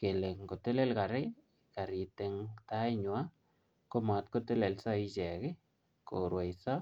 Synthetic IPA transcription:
ke˨le˨ŋko˨te˦le˦lka˨ɾɪ˦ | ka˨ɾi˨te˨ŋta˦ɪ˦ɲwa˦ | ko˦ma˨tko˦te˦le˨lsa˦i˦t͡ʃɛ˨kɪ˦ | ko˨ɾwa˨i˨sa˦

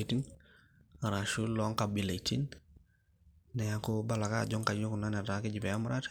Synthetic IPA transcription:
ti˦n | a˨ɾaʃu˦lɔ˦ŋka˨bi˨la˨iti˦n | ɛ˨ja˦ko˦ba˦la˨ka̰˦ɟɔ˦ŋka˨ɲo˦ku˨na˦nɛ˨ta˨kɪ˦ɟi˨pɛ˨ja˦mʊɾa˦t

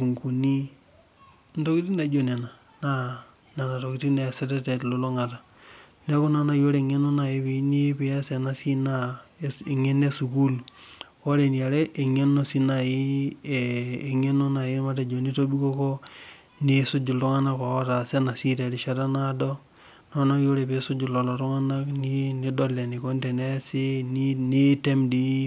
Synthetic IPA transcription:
u˨ŋku˨ni˦ | n˦do˦ki˦ti˦na˨˦d͡ʒo˨ne˨na˨ | na˦ | na˨na˨to˨ki˨˦ti˦ne˨sɛ˦tɛ˦te˨lo˦lo˦ŋa˨ta˨ | ne˦ku˦na˨na˨jo˦ɾe˦˨ŋe˦no˦na˨je˦βi˨ni˦pi˨ja˦se˨na˨si˦na˦e˨ŋe˦ne˦su˨ku˦l | o˦ɾe˨ni˨a˨ɾe˦ʔe˨ŋe˦no˦si˦na˨ji˦˨ | e˨ŋe˦no˦na˨ji˦ma˦de˨d͡ʒo˨ni˦to˦bi˦ko˦ko˦ | ne˦su˦d͡ʒu˨lu˦ŋa˦na˦ko˨˦ta˨se˦na˨si˦te˨ɾi˨ʃa˦ɾa˦na˦do˦ | no˦na˦jo˦ɾe˨pe˦su˦d͡ʒu˨lo˨lo˨ɾu˦ŋa˦na˦kni˦ni˦do˦le˨ni˨ko˦nte˨ne˦se˦ni˦ne˦te˦mdi˦

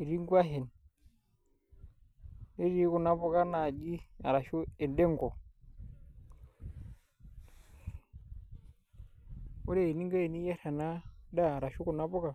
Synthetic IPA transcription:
i˨ɾi˦ŋɡwa˦ɦe˨n | e˦ɾi˨˦ku˨na˦bu˦ka˦na˨d͡ʒi˦a̰˨ɾa˨ʃu˦ɛ˨nde˦ŋɡɔ˨ | u˦ɾe˦i˨ni˦ŋɡa˦e˨ni˦ja˦ɾa˨na˦da˦˨ɾa˨ʃu˦ku˨na˦bɔ˦ka˨

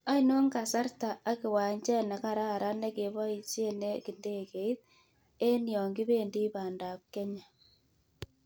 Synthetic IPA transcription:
a˦i˦no˦ŋɡa˨sa˦ɾta˨a˦ki˨waː˨ɲt͡ʃɛ˦na˨ka˦˨ɾa˦˨ɾa˦ne˦ke˨βa˦i˨t͡ʃe˦ne˦ki˨nde˦˨ke˨i˦t | e˦njɔ˨ŋɡi˦βe˦˨ndi˦ba˨nda˨p̚ke˦ɲa˨

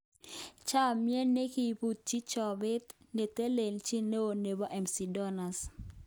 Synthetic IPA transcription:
t͡ʃa˦mjɛ˦ne˦ki˨pu˨t̪̚t͡ʃi˦t͡ʃɔ˨bɪ˦t̪ | ne˨t̪e˦le˨lt͡ʃi˦ne˦o˨ne˨bɔ˦ʔɛ˨msi˨dɔ˦na˨s

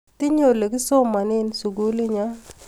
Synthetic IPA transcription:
t̪ɪ˦ɲo˨le˨ki˦so˦ma˨nɪ˦nsu˨ɡu˦li˦ɲa˦

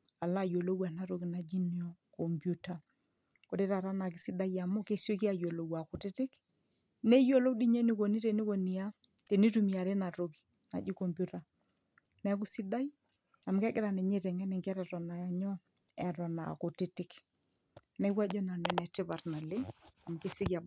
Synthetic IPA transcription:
a˨la˦˨jo˨lo˦wa˨na˨ɾo˦˨ɡi˨na˨d͡ʒi˦ni˦ɔ˨kɔ˨mbju˦ta˨ | ko˨ɾe˦ɾa˨ɾa˦na˨k̬ɪ˨˦si˦da˦ja˨mɔ˦ke˦so˦ki˦a˨jo˨lo˨wa˨kʊ˨tɪ˦tɪ˦k | nɛ˦jo˦lo˦di˦ɲɛ˦ni˦ko˨ni˦te˨ni˦ko˨ni˨a˦ | te˨ni˦tu˨mi˨a˨ɾɛ˦na˨ɾo˦ki̥˨ | na̰˨d͡ʒi˦kɔ˨mbju˦ta˨ | nɛ˨˦k̬ʊ˦si˦da˦j | a˨mkɛ˦ɡɪ˦ɾa˨nɛ˨ɲe˦ɾɛ˨ŋɛ˦nɛ˨ŋɡɛ˦ɾɛ˨tɔ˨na˨ja˨ɲɔ˦ | ɛ˨tɔ˨na̰˨ko˨tɪ˦tɪ˦k | nɛ˨˦kwa˦d͡ʒɔ˦na˨nwɛ˨nɛ˨tɪ˦ba˨ɾna˨lɪ˦a˨m˨kɪ˦sɪ˦ka˨

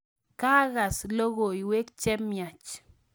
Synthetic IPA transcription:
ka˦ɣa˨slo˦ɣo˨i˨we˦kt͡ʃɛ˦mja˨t͡ʃ

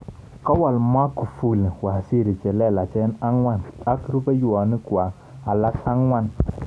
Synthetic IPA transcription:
ka˦wa˨lma˦ku˨fu˦˨lwa˨si˦˨ɾi˨t͡ʃɛ˨lɛ˦˨la˨t͡ʃɛ˦n˦a˦ŋwa˦na˦kɾu˦be˦ju˨a˨ni˦ku˨a˨ | a˨la˦sa˦ŋwa˦n

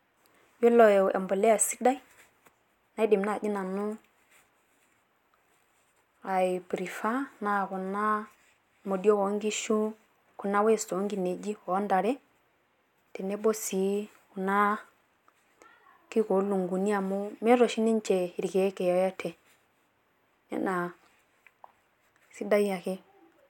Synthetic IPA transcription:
jo˦lo˨jḛ˨mbo˨le˦a˨si˦da˦i˦ | na˦i˦de˨mna˦˨d͡ʒi˦na˨nu˦ | a˨i˨pɾi˨fa˦na˨ku˨na˦ | mo˨di˦o˦wo˨˦ŋɡi˦ʃu˦ | ku˨na˦we˦˨sto˨o˦ŋɡi˨ne˨d͡ʒi˦o˨˦nda˨ɾɛ˦ | tɛ˨ne˦bo˦si˨˦ | ku˨na˦ | ki˦ko˨˦lu˨ŋɡu˨ni˦a˨mo˦mɛ˦ɾo˨ʃi˦ni˦n˦t͡ʃe˨i˨ɾi˨ke˨˦kɛ˨jɔ˨ja˦tʰɛ˨ | nɛ̰˨˦na˨ | si˦da˦ja˨ke˦

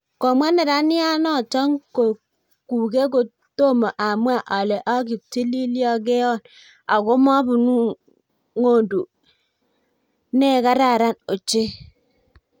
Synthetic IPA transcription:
ko˨mʷ˦e˦ne˨ɾa˦ni˦a˦nɔ˦˨t͡ʃɔ˦ŋko˨ | ku˨ɡe˦ɡo˨ | to˦mo˨ʔa˨mu˦a˨ʔɔ˨le˨ʔɔ˦ɡi˨ti˦li˦li˦ɔ˦ɡe˦ɔ˦˨n | a˨ɡo˦m˦ɔ˦bu˨nu˦ | ŋo˦˨du˨ | ne˦˨ɡa˦ɾa˦˨ɾa˦no˨t͡ʃe˦

